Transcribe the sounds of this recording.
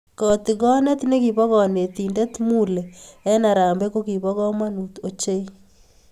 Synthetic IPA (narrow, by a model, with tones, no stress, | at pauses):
kɔ˨t̪ɪ˨ɡɔ˦nɛ˦t̪ne˦ki˨βɔ˦kɔ˨ne˨t̪i˨ndɛ˦t̪mu˦le˨ɛ˦na˨ɾaː˨mbɛ˦ko˦ki˨βɔ˦ɣɔ˦ma˦nu˨t̪o˦t͡ʃe˦i˦